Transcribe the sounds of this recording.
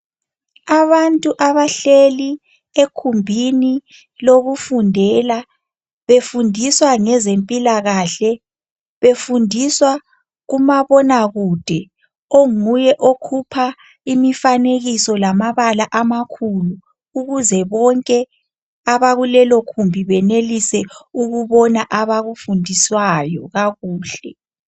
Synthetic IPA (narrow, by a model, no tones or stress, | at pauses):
aβantʼuʔaβaɬeli | ekʰumbʱini | loɣufundʱɛla | βefundʱiswaŋɛzempʼilaɣaɬɛ | βefundʱiswa | ɣumaβɔnaɣud̥ʱɛ | oŋujɛʔokʰupʰa | imifaneɣisɔlamaβalaʔamakʰuluː | ɣuzɛβɔŋkʼɛ | aβaɣulɛlokʰumbʱiβɛnelisɛuɣuβɔnaʔaβaɣufundʱiswajɔɣaɣuːɬɛ